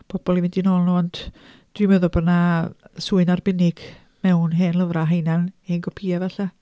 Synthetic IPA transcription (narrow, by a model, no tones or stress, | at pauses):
b̥ɔb̥ɔlˠivɪndinoːlˠnuːɔnd̥ | d̥wiməðɔbənasuːɨnarbɪnɪɡ̥ | mɛwnɦeːnlˠəvraɦejnaneːnɡʰɔpʰiːavɛɬa